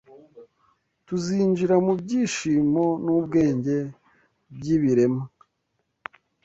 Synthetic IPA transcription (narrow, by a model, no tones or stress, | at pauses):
tuziːnd͡ʒiɾamubɟiːʃiːmo̞nuːbɡe̞ːɲɟe̞ | b̚ɟiβiɾe̞ma